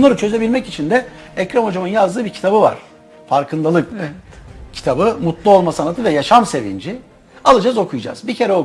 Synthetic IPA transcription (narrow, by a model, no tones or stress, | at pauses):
unˠaɾɯt͡ʃʰø̞ze̞bilʲmɛcit͡ʃʰind̪ɛɛcɾamo̞d͡ʒamɯnjazd̪ɯːbiɾcʰi̥t̪ʰabɯva̰ɾ̥ | faɾkʰɯnd̪ˠalˠɯk | cʰi̥t̪ʰabɯmut̪lˠuolˠmasanat̪ʰɯvɛjaʃamse̞vḭnd͡ʒi | alˠɯd͡ʒazo̞kʰujd͡ʒa̰z̥bicʰe̞ɾɛo